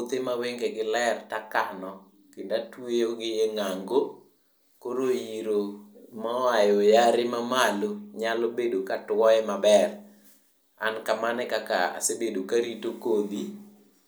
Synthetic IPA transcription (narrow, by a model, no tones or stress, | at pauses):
d̪emaweŋɡeɡɪlɛrtakanɔ | kɪndatwejoɡɪjeŋaŋɡo | koɾojiɾomaajɔjaɾɪmamaloɲalobedokatwɔɛmabɛr | a̰nkamanɛkaka̰a̰sebedokaɾitokod̪i